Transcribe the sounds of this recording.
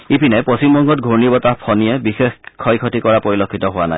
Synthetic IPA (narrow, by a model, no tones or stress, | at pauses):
ipinɛpɔsimbɔŋɡɔtɡʱoɹnibɔtapʰɔniɛbixexkʰːɔjkʰɔtikɔɹapoɹilokʰːitɔɦʊwana̰j